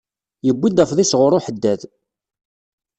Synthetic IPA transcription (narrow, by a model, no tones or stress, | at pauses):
jəbʷːid̪æfðisʁʊɾˤʊħəd̪ːæð